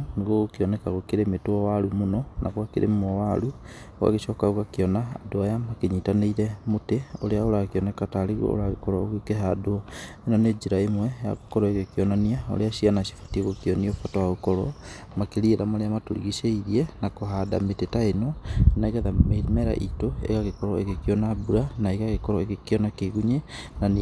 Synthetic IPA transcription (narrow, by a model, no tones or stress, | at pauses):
niɣoɣokeɔnɛkaɣokeɾemetwɔwaɾumonɔnʔa̰ɣwakeɾḛmmɔwaɾu | wa̰ɣeʃɔːkaoɣakeɔna̰ːdoajamakeɲitaneiɾɛmoteoɾeaoɾakeɔnɛkataɾeɣw̰o̰o̰ɾaɣekɔɾɔoɣekeɦadoenaned͡ʒiɾaemwɛja̰ɣokɔɾɔeɣekeɔnaniao̰ɾeaʃianaʃi̥fḁtieɣokiɔniɔfatɔwaɣokɔɾɔ | makeɾieɾamaɾeamatoɾḭɣiʃeiɾiɛnakoɦada̰metetaenonaiɣaðamemɛɾa̰ʔḭtoḛɣaɣekɔɾɔeɣekiɔnabuɾanaeɣaɣekɔɾɔeɣekeɔnakeɣuɲenan